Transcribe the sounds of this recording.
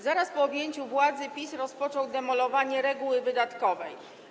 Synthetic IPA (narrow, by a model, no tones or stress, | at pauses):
zaɾaspɔːbʲjeɲt͡ɕuvwad̪zɘpʲisɾɔspɔt͡ʂɔwd̪ɛmɔlɔvaɲɛɾɛɡuwɘvɘd̪at̪kɔvɛj